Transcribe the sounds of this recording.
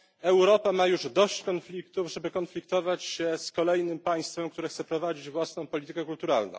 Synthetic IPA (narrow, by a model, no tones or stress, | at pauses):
ɛwɾɔpamajuʐd̪ɔɕt͡ɕkɔnflʲikt̪uvʐɛbɘkɔnflʲik̚t̪ɔvat͡ɕɕɛskɔlɛjnɘmpaj̃st̪fɛmkt̪uɾɛxt̪sɛpɾɔvad͡ʑid͡ʑvwasnɔ̃w̃pɔlʲit̪ɘkɛkult̪uɾalnɔ̰̃w̃